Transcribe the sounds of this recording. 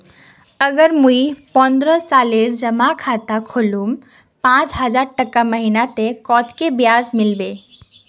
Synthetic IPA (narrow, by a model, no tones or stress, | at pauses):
əɡəɾmũipɔnd̪ɾəsaleɾd͡ʒəmakʰat̪akʰolum | pãt͡ʃɦəd͡ʒaɾʈəkaməɦinat̪ekɔt̪ʰkebjazmɪlbe